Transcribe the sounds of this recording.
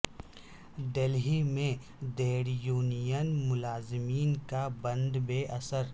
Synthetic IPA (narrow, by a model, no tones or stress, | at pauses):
d̪elɦimẽ | d̪eːɽjuːnijənmʊlaːzɪmiːnkabɐ̃nd̪beːʔɐsəɾ